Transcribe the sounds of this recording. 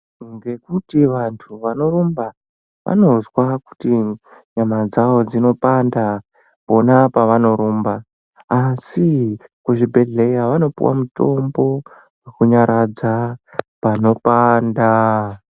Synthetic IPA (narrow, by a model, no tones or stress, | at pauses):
ŋɡe̞kutiʋantʰuʋano̞romba | ʋʔa̰no̞zwaku̥ti | ɲamad͡zaʋo̞d͡zino̞panda | po̞napaʋano̞ɾoːmbaː | sikuʐibʱe̞ɮe̞jaʋano̞pṵwa̰muto̞mbo̞ | we̞kuɲaɾad͡zapano̞panda